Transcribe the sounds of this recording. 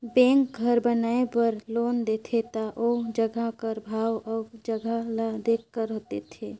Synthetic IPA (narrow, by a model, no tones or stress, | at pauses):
bẽŋk̚ɡʱəɾbənaepəɾloːnd̪et̪ʰet̪aʔod͡ʒəɡʱakəɾbʱaːwɔːd͡ʒəɡʱalad̪eːkkəɾɦot̪et̪ʰe